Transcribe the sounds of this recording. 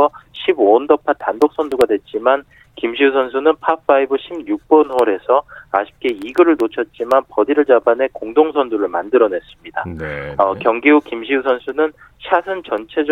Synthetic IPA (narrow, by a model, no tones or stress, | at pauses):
ʌɕʰibondʌpʰatandok̚s͈ʰʌnduɡadwe̞t̚t͡ɕ͈iman | kimɕʰiusʰʌns̬ʰunɯnpʰap͈ʰːaibɯɕʰibɲuk̚p͈ʌnwʌɾe̞sʰʌaɕʰi̥p̚k͈e̞iɡɯɾɯɭnot͡ɕʰʌt̚t͡ɕ͈imanpʌdiɾɯɭd͡ʑabane̞koŋdoŋsʰʌnduɾɯɭmandɯɾʌne̞s͈ɯmɲida̰ʌkjʌŋɡiukimɕʰiusʰʌnsʰunɯn | ɕʰasʰɯnt͡ɕʌnt͡ɕʰe̞d͡ʑ